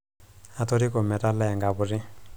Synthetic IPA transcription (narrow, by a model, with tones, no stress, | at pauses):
a˨t̪ɔ˦ɾi˦kɔ˨mɛ˨ta˦lɛ˦˨ŋɡa˨βu˨ri˦